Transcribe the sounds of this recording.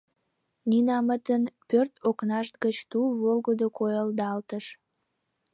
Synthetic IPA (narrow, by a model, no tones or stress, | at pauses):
ninɑmət̪ənpørt̪oknɑʃt̪̚ɡət͡ɕt̪ulβolɡəd̪okojəld̪ɑlt̪əʃ